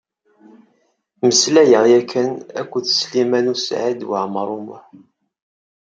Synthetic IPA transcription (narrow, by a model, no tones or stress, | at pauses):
məslæjəʁjækʰːənækʷːuθslimænusʕid̪wə̰ʕmɾˤumʊ̰ħ